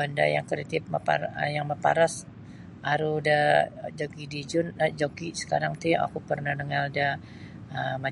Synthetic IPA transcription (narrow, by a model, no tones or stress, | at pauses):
anda̰jaŋkɾit̪ɪp̚məpa̰jaŋməpa̰ɾas | aɾudad͡ʒokidid͡ʒʊnːad͡ʒokisə̥kaɾaŋt̪ia̰kupərnahnəŋalda | əma